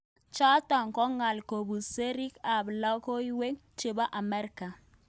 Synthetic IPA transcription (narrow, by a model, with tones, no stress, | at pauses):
t͡ʃɔ˦tɔ˨ŋkɔ˦ŋa˨lko˨bu˨se˦ɾi˦ka˨blɔ˦ko˦i˦we˦ŋt͡ʃe˨ba˦ʔa˨mɛ˦ɾka˨